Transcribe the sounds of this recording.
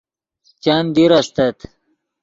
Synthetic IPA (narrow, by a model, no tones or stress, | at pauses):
t͡ɕand̪iɾast̪et̪